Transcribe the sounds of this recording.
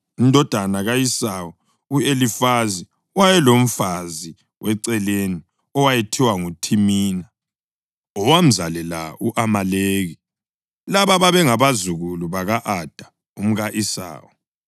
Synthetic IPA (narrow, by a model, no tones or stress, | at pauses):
indʱɔd̥ʱanaɣaisawɔ | uelifazi | wajɛlom̩fazi | wʔɛǀɛleni | ɔwajetʰiwaŋutʰimiːna | ɔwam̩zalɛla̰uʔamaleːɣi | laβaβaβɛŋaβazuɣuluβaɣaʔad̥ʱḁ | um̩ɣaʔisa̰ːwɔ